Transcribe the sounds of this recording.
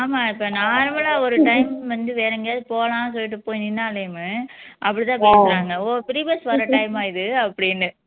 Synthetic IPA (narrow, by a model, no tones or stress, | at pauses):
aːmaːɪpːɐnaːɾɐmɐlaːɔɾɯʈɐjɪmʋɐnd̪ɯʋeːɾɛŋɡɐpoːlãːsɔlːɪʈːɯpoːjnɪnːaːlɐjmɯʔɐpːɐɽit̪ãːpeːsɾaːŋɡɐoːpɪɾiʋɐsʋɐɾɐʈɐɪmaːjɪðɯɐpːɐɽɪnːɯ